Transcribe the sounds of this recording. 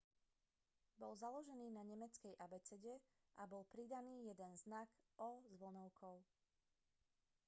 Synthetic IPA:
bɔlzalɔʒɛniːnaɲɛmɛt͡skɛjʔabɛt͡sɛɟɛ | ʔabɔlpɾid̪aniːjɛd̪ɛnznakɔzʋl̩nɔʊkʰɔʊ

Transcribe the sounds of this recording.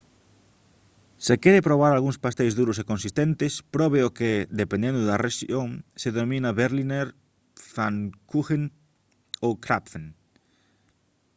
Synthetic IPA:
sekeɾepɾoβ̞aɾalɣuŋspast̪ejzðuɾosekõnsist̪ent̪espɾɔβeoked̪epẽnd̪end̪ʊðareʃoŋseðomĩnaβeɾlineɾ | faŋkuxen | okɾapfen

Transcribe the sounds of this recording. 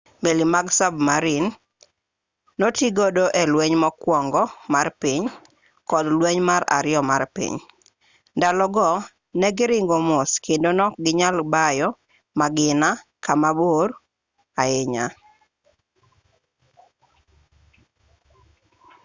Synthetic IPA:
melimaɡsabmaɾɪn | notiɡodoʔɛlwɛɲmɔkwɔŋɡɔmarpiɲ | kɔdlwɛɲmaɾa̰ɾɪɔmarpḭɲ | dalɔɡɔ | nɛɡɪɾɪŋɡomɔskendonɔɡɪɲalbajɔ | maɡɪnakamabor | aɪɲa

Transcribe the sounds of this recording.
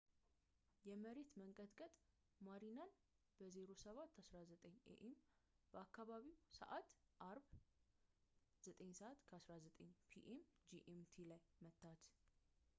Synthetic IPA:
jɛməɾe̞t̪məŋkʼət̪kʼət̪ʼ | maɾinan | b̥əze̞ɾo̞səβat̪ʰːasɾazət̪ʼəɲḛʔem | b̥əakʰːaβaβiwsə̰ʔat̪ʔaɾβ | z̥ət̪ʼəɲsəʔat̪kʰəasɾazət̪ʼəɲːpʰiʔemd͡ʒiʔemt̪ʰilajmət̪ʰːat̪

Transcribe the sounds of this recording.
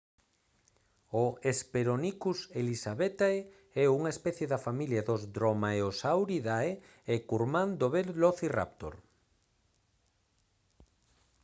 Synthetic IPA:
oespeɾonikuselisaβet̪ae | ɛuŋaespɛθjeðɐfamiljaðozd̪ɾomaeosawɾiðae | ekuɾmãnd̪oβeɾloθira̰pt̪o̰ɾ

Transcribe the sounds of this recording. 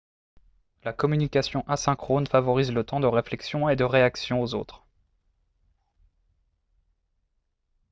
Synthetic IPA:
lakɔmynikʲasjɔ̃ʔasɛ̃kχonfavɔʁizlət̪ɑ̃d̪əʁeflɛksjɔ̃ed̪əʁeaksjɔ̃ozo̰t̪χ

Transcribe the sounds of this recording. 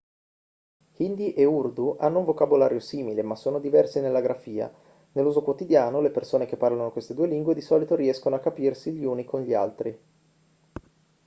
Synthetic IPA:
ind̪iʔeurd̪uʔanːouɱvokabolaːɾjosiːmilemasːoːnod̪ivɛrsenelːaɡɾafiːa̰ | nelːuːzokwot̪id̪jaːnolepersoːnekepːarlanokwest̪ed̪uːeliŋɡwed̪isɔːlit̪oɾiɛskonoakːapirsiʎiuːnikonʎia̰lt̪ɾi

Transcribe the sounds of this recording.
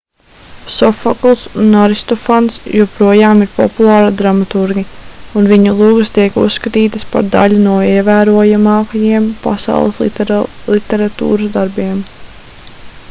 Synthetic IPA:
sɔfɔklˠsunaɾist̪ɔfansjuɔpɾuɔjaːmiɾpɔ̰pulˠɑːɾad̪ɾamat̪uɾɡʲiunviɲulˠuːɡɨst̪iɛkṵsːkat̪iːt̪əspa̰ɾd̪a̰ʎunuɔiɛvæːɾuɔjamaːkajiɛmpa̰sa̰w̰lˠə̰slˠit̪ɛɾat̪ṵːɾəsd̪aɾbiɛm

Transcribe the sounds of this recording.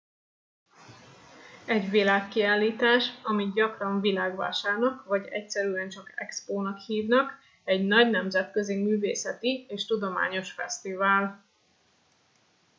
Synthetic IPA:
ɛɟvilaːkːiaːlːiːt̪aːʃɒmiɟɒkrɒɱvilaːɡʋa̰ːʃaːrnɒkvɒɟɛ̰csɛɾyɛnt͡ʃɒkɛ̰kspoːnɒkhiːvnɒk | ɛɟnɒɟnɛmzɛt̪kø̞zimyːvḛːsɛt̪ieːʃt̪ud̪o̞ma̰ːɲo̞ʃfɛst̪ivaːl

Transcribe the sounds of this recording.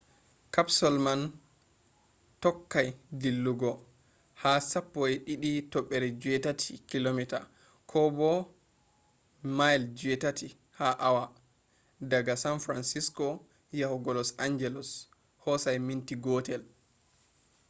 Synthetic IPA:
kapsɔlman | tɔkːajɡilːuɡɔ | hasapːɔɛɗiɗitɔɓːɛɾɛd͡ʒuɛtatʰikilomita̰ | kʰɔbɔ | majɛld͡ʒuɛtatʰi | haʔawa | daɡasanfɾansiskɔ | jahuɡɔlɔsaɲd͡ʒɛlɔs | hɔsajmintiɡɔtɛl

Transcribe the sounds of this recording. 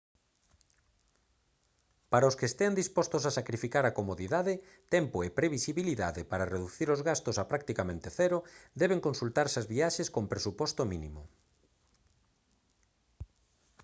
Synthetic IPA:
paɾaoskeːst̪eand̪ispɔst̪osasakɾifikaɾakomoðiðaðɪ | t̪ɛmpoepɾeβisiβiliðaðepaɾareðuθiɾozɣast̪osapɾak̚t̪ikamẽnt̪eθɛɾod̪ɛβ̞eŋkonsult̪aɾsɪazβiaʃeskompɾesupɔst̪ominimo

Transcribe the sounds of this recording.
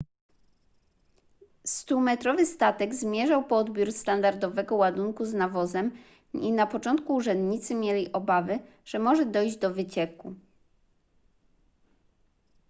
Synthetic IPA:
st̪umɛt̪ɾɔvɘst̪at̪ɛɡzmʲjɛʐawpɔɔd̪bʲjuɾst̪and̪aɾd̪ɔvɛɡɔwad̪uŋkuznavɔzɛm | inapɔt͡ʂɔnt̪̚kuːʐɛnd̪ɲit̪sɘmʲjɛlʲiʔɔbavɘ | ʐ̥ɛmɔʐɛd̪ɔjʑd͡ʑd̪ɔvɘt͡ɕɛku

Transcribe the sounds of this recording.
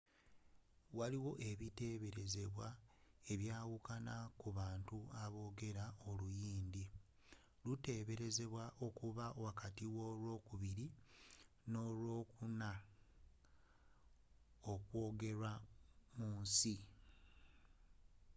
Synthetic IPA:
waliwo̞ʔe̞βite̞βe̞ɾe̞ze̞βwae̞βjaːwukanakuβaːntuaβo̞ːɡe̞ɾao̞lujiːndi | lute̞βe̞ɾe̞ze̞βwaʔo̞kuβawakatiwo̞lwo̞ːkuβiɾi | no̞lwo̞ːkuna | okwo̞ːɡe̞ɾamuːnsi

